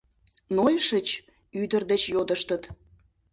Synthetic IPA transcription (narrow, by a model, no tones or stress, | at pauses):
nojʃət͡ɕ | yd̪ərd̪et͡ɕjod̪əʃt̪ət̪